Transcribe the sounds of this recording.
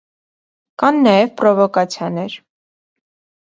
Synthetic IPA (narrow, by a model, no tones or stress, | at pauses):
kɑnːɑjɛvpɾɔvɔkɑt͡sʰjɑnɛɾ